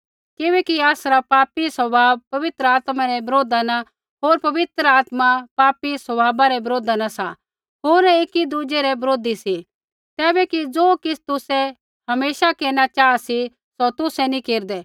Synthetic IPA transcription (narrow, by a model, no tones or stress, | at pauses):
kɪbɛkiaːsɾapaːpisɐbʱaːbpɐʋɪt̪ɾəaːt̪maɾɛbɐɾoːd̪ana | ɦoːɾpɐʋɪt̪ɾəaːt̪mapaːpisɐbʱaːbaɾɛbɐɾoːd̪anasa | ɦoːɾeːkid̪ud͡ʒeɾɛbɐɾoːd̪isi | t̪ɛːbɛkid͡zoːkɪsʰt̪ʊsɛ | hɐmeːʃakeːnat͡ʃaːasi | sot̪ʊsɛnikeːɾd̪ɛː